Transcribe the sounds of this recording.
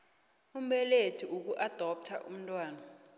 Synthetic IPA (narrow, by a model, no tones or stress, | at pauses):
um̩ɓɛletʰiʔuk̬uʔad̥ʱɔp̚tʰa̰ʔum̩ntʼwaːna